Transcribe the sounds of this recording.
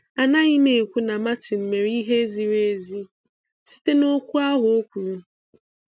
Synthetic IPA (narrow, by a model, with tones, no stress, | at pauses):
a˨na˦i˦me˨e˨kʷu˦na˨ma˦ti˨m̩˨me˨ɾi˦ɦe˦zi˦ɾe˦e˦zi˦ | si̥˦te˦no˦kʷu˦a˦ɦʊ˨o˦kʷu˨ɾu˦